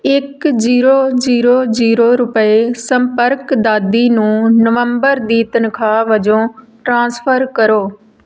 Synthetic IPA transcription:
ɪkd͡ʒiːɾoːd͡ʒiːɾoːd͡ʒiːɾoːɾʊpəeːsəmpəɾkd̪aːd̪iːnũːnəʋəmbəɾd̪iːt̪ənkʰaːʋəd͡ʒõː | ʈɾãːnspʰəɾkəɾoː

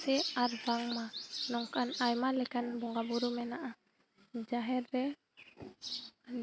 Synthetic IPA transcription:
sɛarbaŋmanɔŋkanajmalɛkanbɔŋɡabuɾumɛnaʔa | d͡ʒaɦɛrːɛ | an

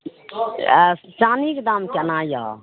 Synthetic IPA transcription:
t͡ʃaːnikd̪amkenãːja̰

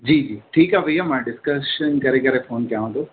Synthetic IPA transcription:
d͡ʑiːd͡ʒiːʈʰiːkaʋɐiamãːɖɪskəsʃənkɐɾekɐɾefoːnkɐjãʋə̃nd̪o

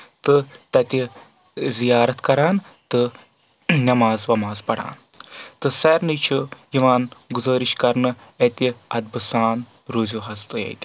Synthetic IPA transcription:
t̪ɨt̪ɐt̪i | zijaːɾɐt̪kɐɾaːn | t̪ɨ | nɐmaːzʋɐmaːzpɐɽ̤a̰ːnt̪ɨsɐɾnɨt͡ʃʰujiʋaːnɡuzɐːɾiʃkɐɾnɨet̪ʲiɐd̪̚bɨsaːn | ɾuzuɦɐst̪ɨjḛjt̪ʲi̥

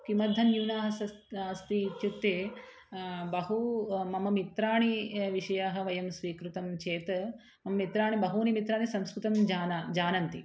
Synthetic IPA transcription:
kimɐd̪ʱːɐnjuːnaːɦɐsɐ | ɐst̪it͡ʃut̪ːeː | bɐɦumɐmɐmit̪ɾaːɳiʋiʂɐjaːɦɐ̆ʋɐjɐmsʋiːkɾut̪ɐmt͡ʃeːt̪ɐ | mɐmɐmit̪ɾaːɳibɐɦuːnimit̪ɾaːnisɐmskɾut̪ɐmd͡ʒaːnad͡ʒaːnɐnt̪i

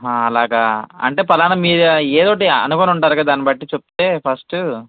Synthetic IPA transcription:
ɦaːɐlaːɡaːɐ̰ɳʈe̞ːpɐlaːnɐmiːɾeːd̪oːʈiɐ̰nukoːnuɳʈaːɾuɡad̪aːnibɐʈːit͡ʃep̚t̪e̞ːpʰɐsʈu

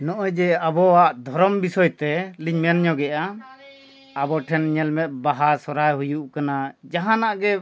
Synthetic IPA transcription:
nɔʔɔjd͡ʒɛabɔaʔd̪ʱɔɾɔmbisɔjt̪ɛliɲmɛnɲɔɡɛʔa | abɔʈʰɛnɲɛlmɛt̪̚ˀbaɦasɔɾajɦujuʔkanad͡ʒaɦanaʔɡɛ

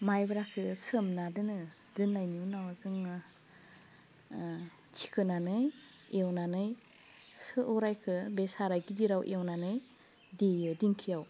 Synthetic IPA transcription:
majbɾakʰɯsɯmnadɯnɯ | dɯnːajnuwnawazɯŋɯ | t͡ʃʰi̥kʰɯnanɯj | ewnanɯj | sɯʔɔɾajkʰɯbesaɾajɡidiɾawʔewnanɯj | diɯdiŋkʰijaw

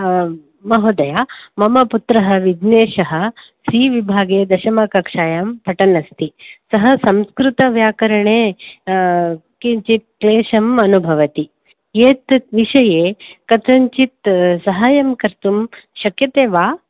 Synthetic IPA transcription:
mɐɦoːd̪ɐjaːmɐmɐput̪ɾɐɦɐʋid̪neːʃɐɦɐ̆ | siːʋibʱaːɡeːd̪ɐʃɐmaːkɐkʂaːjaːmpʰɐʈɐnɐst̪isɐɦɐsɐmskɾut̪ɐʋjaːkɐɾɐɳeː | kiɲt͡ʃit̪̚kleːʃɐmɐnubʱɐʋɐt̪i | jeːt̪t̪ʋiʃɐjeːkɐt̪ɐɲt͡ʃit̪sɐɦaːjɐmkɐɾt̪umʃɐkjɐt̪eːʋaː

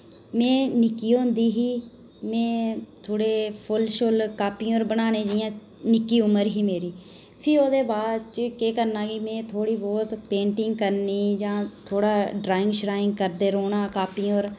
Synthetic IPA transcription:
mɛ̃ːnɪkːiːoːʊnd̪iːɦiː | mɛ̃ːt̪ʰoːɽeːpʰʊlʃʊlkaːpiːoːɾbənaːneːd͡ʒajãː | nɪkːiːʊməɾɦiːmeːɾiː | pʰɪɾoːd̪eːbaːd̪t͡ʃkeːkəɾnãːɡiːmɛ̃ːt̪ʰoːɽiːbɔːt̪pẽːɳʈɪŋɡ̚kəɾniːd͡ʒãːt̪ʰoːɽaːɖɾaːɪ̃ŋɡʃɾaːɪ̃ŋɡkəɾd̪eːɾoːnaːkaːpiːoːɾ

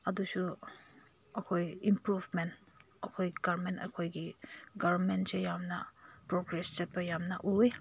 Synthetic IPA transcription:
ɐdusu | ɐkʰojimpɾubment | ɐkʰojɡaɾmentɐ̰kʰojɡiɡaɾnmentsejamnapɾoɡɾest͡ʃet̚bajamna̰ʔue

